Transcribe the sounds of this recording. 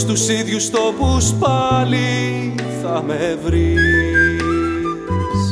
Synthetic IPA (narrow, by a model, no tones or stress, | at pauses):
st̪usiðʝust̪o̞puspɐli | θɐmevɾi | s